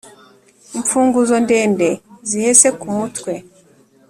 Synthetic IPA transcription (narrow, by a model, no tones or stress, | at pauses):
iɱfuːŋɡuzo̞ndeːnde̞zihese̞kumutkwe̞